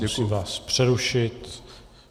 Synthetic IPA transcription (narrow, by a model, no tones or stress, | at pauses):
ɛvaspr̝̥ɛɾuʃɪt̪